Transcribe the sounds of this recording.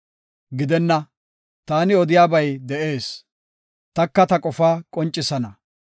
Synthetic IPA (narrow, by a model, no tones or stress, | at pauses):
ɡɪd̪ɛnːɐ | t̪aːnɪɔd̪ɪjaːbɐjd̪ɛʔe̞ːs | t̪ɐkːɐt̪ɐkʼɔfaːkʼɔnt͡ʃʼːɪsɐnɐ